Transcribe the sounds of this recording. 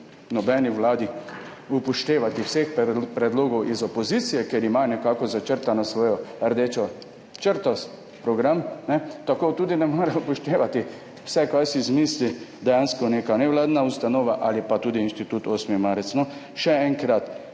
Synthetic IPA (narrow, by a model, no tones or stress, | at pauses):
nɔbɛːniʋlaːd̪i | upɔʃt̪eːʋat̪iwsexppɾɛd̪loːɡɔwʔizɔpɔziːt̪sijɛkeɾimanɛkaːkɔzat͡ʃəɾt̪anɔsʋoːjɔəɾd̪eːt͡ʃɔ | t͡ʃəɾt̪ɔs | pɾɔɡɾamnɛt̪akoːt̪uːd̪inɛmɔːɾɛupɔʃt̪eːʋat̪i | w̥sɛkajsizmiːslid̪ɛjanskɔneːkanɛʋlaːd̪naust̪anoːʋaʔalipat̪uːd̪iːnʃt̪it̪uːt̪oːsmimaɾɛt̪snɔ | ʃɛɛŋkɾat̪